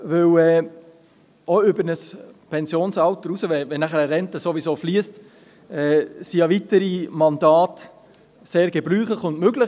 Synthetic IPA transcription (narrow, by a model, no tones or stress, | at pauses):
ʋɵwɛː | oʏbəɾnəspʰɛnsjoːnsɑwt̪əɾusəʋɛʋɛnæχəɾəɾɛntəsoʋisoːfliəst | ɛːsijɑʋitəɾimɑndɑːt | seːɾɡ̥ɛbɾyːχləχʊndmøɡlə